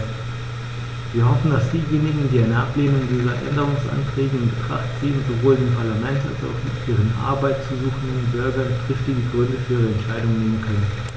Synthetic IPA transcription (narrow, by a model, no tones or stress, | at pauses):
viːɐɦɔfn̩dasd̥iːjeːnɪɡŋ̩diːaɪnəʔapleːnʊŋdiːzɐʔɛ̰ndəʁ̞ʊŋsʔa̰ntʁ̥ɛːɡəɪnbətʁ̥a̰χtz̥iːənzovoːldeːmpʰaɐlamɛnta̰lsa̰ʊxd̥i̥iːʁənʔa̰ɐbaɪtt͡suzuːxn̩denbʏɐɡɐntʁ̥ɪftd̥iːdiːɡʁʏndəfyːʁəɛntʃaɪdʊŋneːmənkʰœnən